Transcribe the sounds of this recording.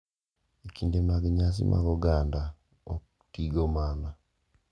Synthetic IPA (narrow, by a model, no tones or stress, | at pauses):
ekiːndemaɡeɲaːs̬ḭmʔa̰ɡoɡaːnda | o | utiːɡomaːna